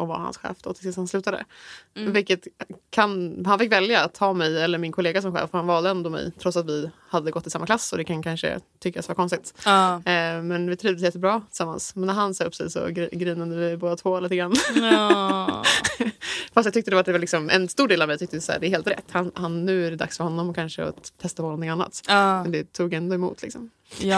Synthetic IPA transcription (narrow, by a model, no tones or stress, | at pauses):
ɔva̰ɾha̰nsɧɛ̰ːfd̪̥ɔ̰t̪ʰɪlsɪst̪hanslʉ̟ːt̪ad̪ə̰vɪlkːət̪kʰanhanfɪkːvɛljaat̪ʰhɑːmɛjɛlːəɾmɪnkʰɔleːɡas̬ɔmɧɛ̰ːfɔɾhanvɑːld̪əɛnd̪ɔmɛ̰jt̪ʰɾɔt̪sat̪vɪhad̪ːəɡɔt̪ːɪsamːaklasːɔd̪ɛkʰankʰanʂə̰t̪ʰʏkːasvaɾkɔnst̪ɪt̪ | mɛnvɪt̪ʰɾiːvd̪əsjɛt̪ːəbɾɑːt̪ʰɪ̥lsamːa̰nsmɛnːæɾɦansɑːɵpːsɛ̰jsɔ̰ɡɾɡɾiːnand̪əvɪboːd̪at̪ʰvoːliːt̪əɡɾanː | fast̪jɑɡt̪ʏk̚t̪əd̪ɛvat̪d̪ɛvaɾlɪksɔmɛ̰nst̪uːɖeːlavmɛjt̪ʰʏkt̪əɪsæ̰ːɖɛæɾheːlt̪ɾɛ̰t̪ːhanhanːʉ̟ːæɖɛd̪a̰ksfœɾhɔnːɔmɔkʰanʂəɔ̰t̪ʰːɛst̪ahɔnːnɔɪŋanːa̰t̪ːmɛnd̪ɛt̪ʰuːɡjɛnd̪ɔɛmṵːt̪ʰlɪksɔ̰m